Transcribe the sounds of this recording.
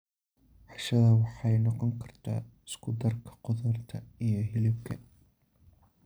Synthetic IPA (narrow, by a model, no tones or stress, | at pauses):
ħɑʃɐðɐwɑħɑjnɔqɔŋkʰɐrt̪ʰa̰ːɪskʰʊd̪ɐrkʰɐ̥qʊðɐrt̪ʰɐijɞɦɪlɪb̚kʰɐ̰